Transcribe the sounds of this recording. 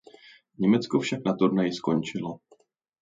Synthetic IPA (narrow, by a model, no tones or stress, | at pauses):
ɲɛmɛt͡skofʃaknat̪uɾnajɪskont͡ʃɪlo